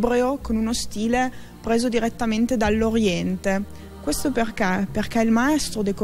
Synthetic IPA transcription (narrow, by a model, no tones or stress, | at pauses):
bɾeokonunost̪iːle | pɾeːzod̪iɾet̪ːament̪ed̪alːoɾjɛnt̪e | kwest̪operkɛperk̟ɛilmaɛst̪ɾod̪eko